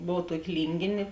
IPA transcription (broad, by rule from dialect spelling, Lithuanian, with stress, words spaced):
ˈboːw ˈtuɔkʲɪ ˈlʲiːŋʲɡʲeːnʲeː